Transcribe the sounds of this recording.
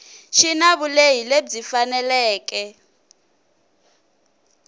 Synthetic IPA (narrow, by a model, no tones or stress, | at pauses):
ʃinaβulejiled͡zifanɛlɛːkɛ